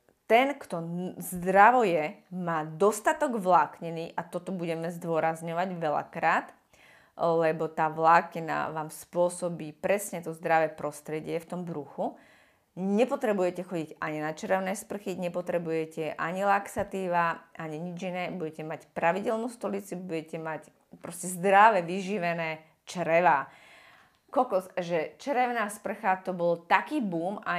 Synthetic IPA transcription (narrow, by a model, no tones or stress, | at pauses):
t̪ɛnkt̪ɔzd̪ɾaʋɔjɛmaːd̪ɔst̪at̪ɔɡʋlaːkɲɛniːʔat̪ɔt̪ɔbuɟɛmɛzd̪ʊɔɾazɲɔʋaɟʋɛla̰kɾaːt̪ | lɛbɔt̪aːʋlaːkɛna̰ʋaːmspʊɔsɔbiːpɾɛsɲɛt̪ɔzd̪ɾaʋɛpɾɔst̪ɾɛɟɪɛft̪ɔmbɾuxu | ɲɛpɔt̪ɾɛbujɛcɛxɔɟiɟaɲinat͡ʃɾɛʊnɛːspr̩xiɲɛpɔt̪ɾɛbujɛcɛʔaɲilaksat̪iːʋaʔaɲiɲid͡ʒinɛːbuɟɛcɛmacpɾaʋiɟɛlnust̪ɔlit͡subuɟɛcɛmac | pɾɔscɛzd̪ɾaʋɛʋiʒiʋɛnɛː | t͡ʃɾɛʋaː | kɔkɔsʒɛt͡ʃɾɛʊnaːspr̩xat̪ɔbɔlt̪akiːbuːma